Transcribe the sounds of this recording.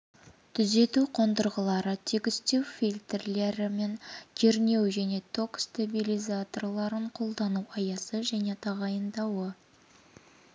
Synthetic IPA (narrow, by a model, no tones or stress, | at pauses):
t̪ʰʏze̞t̪uqʰo̞nd̪əɾʁəlˠɑɾət̪ʰekʲɪst̪e̞wfʲilʲt̪erle̞ɾɪme̞ŋkʲʰeɾne̞wʒæne̞t̪ʰo̞kst̪abilʲijzat̪o̞rlˠɑɾəɴqʰo̞lˠd̪ɑnuɑjɑsəʒæne̞t̪ʰɑʁɑjənd̪ɑwə